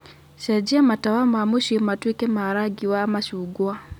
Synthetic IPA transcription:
ʃɛd͡ʒiamatawamamuʃimatwikɛmaɾaɡiwamaʃuɡwa

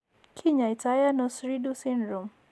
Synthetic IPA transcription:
kʰiɲaitajanɔsɾidusinɾɔm

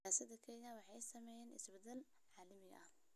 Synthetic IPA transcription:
aːsɐðɐkʰɛjɐwɑħɑjsɐmɛjɛːnɪ̰sbɐd̪ɛl | ʕɑːlɐmɪɣɐ̰ɐh

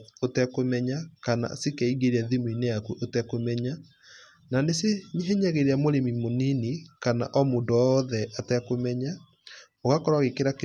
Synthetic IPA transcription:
otɛkomɛɲakana̰sekɛiɣeɾeaðimoineakwuʔotɛkomɛɲa | naneseɲeɦɛɲɛɣeɾeamoɾemimoninekana̰ʔɔmoːndoɔðɛʔatɛkomɛɲa | oɣakɔɾaɣekeɾake

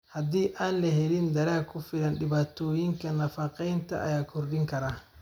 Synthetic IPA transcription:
hɐd̪iːʔaːnlɐɦɛlɪnd̪ɐɾaːkʰʊfɪlɐnɖɪβaːt̪ʰɔːjɪŋkʰɐnɐfɐqɛjnt̪ʰɐ̰ʔɐ̰jaːkʰʊrɗɪŋkʰɐɾaː

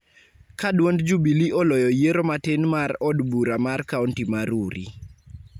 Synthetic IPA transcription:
kadwondd͡ʒubiliʔɔlɔjɔjeɾomatenmarɔdbuɾamarkaɔntimaɾuɾʔḭ

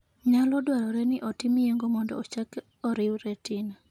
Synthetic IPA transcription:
ɲalɔdwaɾɔɾɛnɪʔɔtɪmijeŋɡomɔndɔ̰ːt͡ʃak | ɔɾɪwɾɛtina

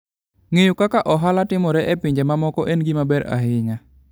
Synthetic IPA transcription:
ŋejukakaʔɔɦalatimɔɾɛʔɛpiɲd͡ʒamamɔkɔʔɛnɡimabɛɾa̰ɦiŋa

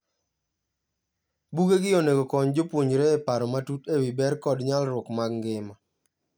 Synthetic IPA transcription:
buɡeɡɪoneɡokɔɲd͡ʒopwoɲɾeːpaɾɔmatutewibɛɾkɔdɲalɾʊkmaɡŋɡɪma

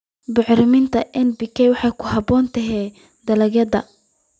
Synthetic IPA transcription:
bʊʕɾɪmɪnt̪ʰɐʔɛnbɪkʰɛjwɑħɑjkʰʊɦɑbɔːnt̪ʰɐɦɛː | d̪ɐlɐɡjɐd̪ɐ

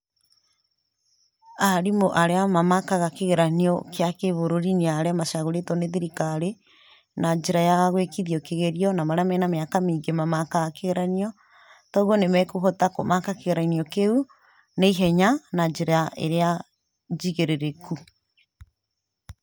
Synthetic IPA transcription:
aɾimoʔaɾeamamakaɣakeɣeɾaniɔkeakeβoɾoɾineaɾeamaʃaɣoɾetɔneðiɾikaɾe | nad͡ʒeɾajaɣwekiðiɔkeɣeɾiɔnamaɾeamɛnameakamiːŋɡemamakaɣakeɣeɾaniɔ | tɔuɣɔnemɛkuɦɔtakomakakeɣeɾainiɔkeu | neiɦɛɲanad͡ʒeɾaʔḛɾea | d͡ʒiɣeɾeɾeku

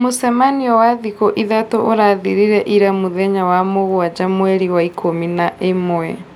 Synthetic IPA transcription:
mosɛmaniɔwaðikɔʔiðatoʔoɾaðiɾiɾɛʔiɾamuðɛɲawamoɣwad͡ʒamwɛɾiwaikʰominaʔemoɛ̰

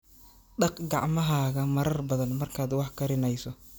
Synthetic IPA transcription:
ɖɑqɡɑʕmɐɦaːɣɐmɐɾɐrbɐðɐnmɐrkʰaːd̪wɑħkʰɐɾɪnɛjsɔ

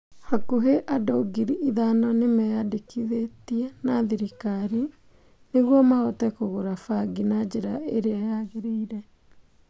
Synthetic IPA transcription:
hakuɦeʔadoɡiɾiiðanɔnemɛjadekiðetiɛnaðiɾikaɾi | neɣwɔmaɔtɛkoɣoɾafaɡinad͡ʑeɾaeɾeajaɣeɾeiɾɛ

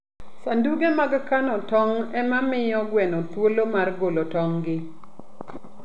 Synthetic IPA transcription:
sanduɡemaɡkanɔtɔŋɛmamɪjɔɡwɛnɔt̪wolomarɡolotɔŋɡɪ

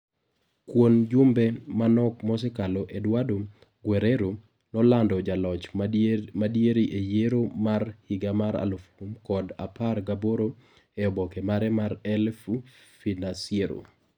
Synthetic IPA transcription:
kwond͡ʒʊmbɛmanɔkmɔs̬ɛkaloʔedwado | ɡweɾeɾo | nɔlandɔd͡ʒalɔt͡ʃ | madjeɾiʔejeɾomarhiɡamaɾa̰lofumkɔda̰parɡaboɾo | eɔbɔkɛmaɾɛmaɾɛlfu | finasieɾo̰

